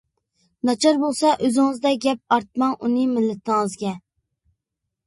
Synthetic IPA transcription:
nɑt͡ʃʰɑɾbolˠsɑʔøzɪŋɨzd̪ɛɡʲɛp̚ɑɾt̪̚mɑŋʔunɨmɪlːɪt̪ʰɪŋɨzɡʲɛ

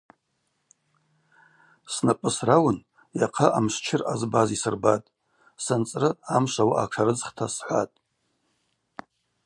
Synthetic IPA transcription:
snapʼɨsrawʊn | jaqʰaʔamʂt͡ʃʰɪrazbazisɨrbatʼ | sant͡sʼrɨamʂawaʔaʈ͡ʂʰaɾɨd͡zχtʰasħʷa̰tʼ

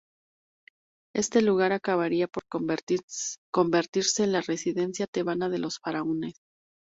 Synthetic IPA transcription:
e̞st̪e̞luɣ̞aɾakaβaɾiapo̞ɾ | ko̞mbe̞ɾt̪iɾse̞ːnlare̞siðe̞nsjat̪e̞βanaðe̞lo̞sfaɾaone̞s

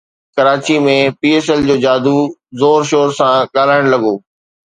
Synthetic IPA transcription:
kɐɾaːt͡ɕimẽpiːeːsɛld͡ʑoːd͡ʑaːd̪ʱuzoːɾʃoːɾsãɠaːlaːɪɽ̃lɐɠoː

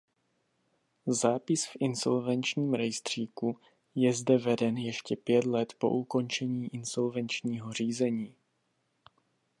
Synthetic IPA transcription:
zaːpɪsfʔɪnso̞̰lvɛnt͡ʃɲiːmɾɛjst̪r̝̥iːku | jɛzdɛvɛdɛnjɛʃcɛpjɛt̪lɛt̪po̞̰ʔuko̞nt͡ʃɛɲiːʔɪnso̞lvɛnt͡ʃɲiːɦo̞r̝iːzɛɲiː

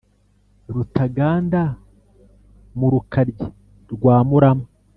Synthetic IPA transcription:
ɾutaɡaːnda | muɾukaɾɟi | ɾɡwaːmuɾama

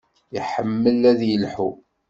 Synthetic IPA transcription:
jiħəmːəlæðjəlħu

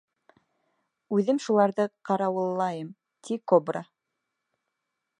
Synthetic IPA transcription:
ʉðɘmʃulˠɑɾðɤqɑɾɑwɤ̆lˠːɑjɤm | t̪ʰikobra

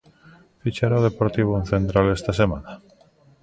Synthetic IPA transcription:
fit͡ʃaɾaoð̞epoɾt̪iβ̞oen̟θent̪ɾalest̪asema̰na

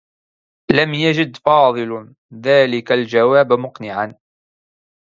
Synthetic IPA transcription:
lamjad͡ʒɪd̪fɑːðˤɨl | ðaːlɪkald͡ʒawaːbmʊqnɪʕan

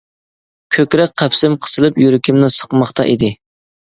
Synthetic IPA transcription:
kʲʰøkʲɾɛk̚ʲqʰæpsɪmqʰə̥sɨlˠɨpjyɾɪkʲʰimnɪsə̥qmɑχt̪ʰɑ̰ʔid̪ɪ

